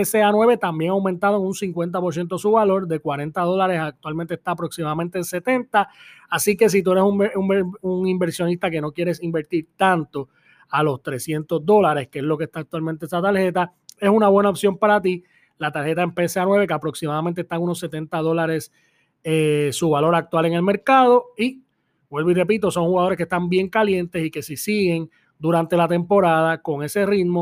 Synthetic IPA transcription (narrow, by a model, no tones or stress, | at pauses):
eseanwe̞βe̞t̪ambje̞ŋawment̪að̞oeŋunsiŋkwe̞nt̪̬apo̞ɾs̬je̞nt̪o̞suβalo̞ɾd̪e̞kwaɾe̞nt̪að̞o̞laɾe̞sak̚t̪walment̪est̪aːpɾo̞ksimaðamẽnt̪ense̞t̪e̞nt̪aːsike̞s̬it̪ue̞ɾesummuŋimbe̞ɾsjo̞nist̪ake̞no̞kjeɾe̞simbe̞ɾt̪iɾt̪ãnt̪o̞ | alo̞st̪ɾe̞sje̞nt̪o̞zd̪o̞laɾe̞skeezlo̞ke̞st̪aːk̚t̪walmẽnt̪eesat̪aɾhe̞t̪a | e̞sunaβwe̞naopsjo̞mpaɾat̪i | lat̪aɾhe̞t̪aempeseanwe̞β̞e̞keapɾo̞ksimaðamẽnt̪est̪aŋuno̞sːe̞t̪e̞nt̪að̞o̞laɾe̞s | esuβalo̞ɾak̚t̪wale̞ŋe̞lme̞ɾkaðo̞i | bwe̞lβire̞pit̪o̞so̞ŋhuɣaðo̞ɾeskest̪ambje̞ŋkalje̞nt̪e̞sike̞sisiɣe̞ŋ | d̪uɾant̪e̞lat̪e̞mpo̞ɾaðako̞ŋe̞se̞rit̪mo